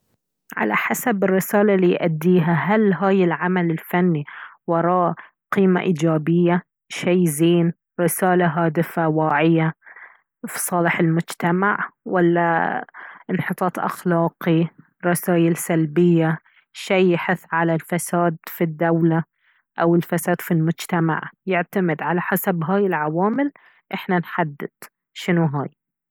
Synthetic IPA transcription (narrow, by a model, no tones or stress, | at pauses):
ʕa̰la̰ħasabɪrːɪsaːlalijʔad̪ːiːɦaɦalɦaːjɪlʕamalɪlfanːiwɑɾˤɑːʔ | qiːma̰ʔiːd͡ʒaːbɪjːa | ʃajziːn | ɾɪsaːlaɦaːd̪ɪfawaːʕɪja | fi̥sˤɑːlɪħɪlmʊd͡ʒt̪amaʕwalːa | ʔɪnħɨt̪ˤɑːt̪ˤʔa̰xlɑːqi | ɾˤɑsaːʔɪlsalbɪjːa | ʃijːħɪθːʕalalfasaːd̪fid̪ːawla | ʔawɪlfasaːd̪̥filmʊd͡ʒt̪ama̰ʕjɪʕt̪amɪd̪ʕalaħasabɦaːjɪlʕawaːmɪl | ʔɪħnanħad̪ːɪd̪̥ | ʃɪnuɦaːj